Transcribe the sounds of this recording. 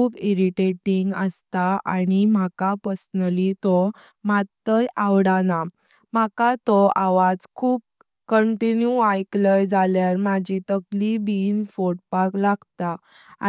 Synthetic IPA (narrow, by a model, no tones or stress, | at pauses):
kuːpiɾiʈeʈiŋɡəst̪aa̰ɽ̃im̤akapəɾsnəlit̪ɔ | mat̪ːəjʔawɽana | m̤akat̪ɔaʋad͡zkʰuːp̚ | kəɳʈinjuajkləjd͡zʱaljaɾmad͡ʑit̪əklibinfoʈ̚paklaɡt̪a